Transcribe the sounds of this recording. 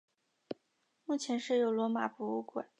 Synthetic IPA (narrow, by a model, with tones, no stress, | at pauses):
mu˥˩t͡ɕʰjɛ˧˥nʂɻ̩˥˩jo˧˥ʊlwɔ˧˥ma̰˨˩fu˧˥u˥kwḛ˨˩˦